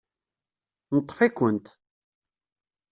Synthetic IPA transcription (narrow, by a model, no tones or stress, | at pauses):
nət̪ˤːfikʷːənt̪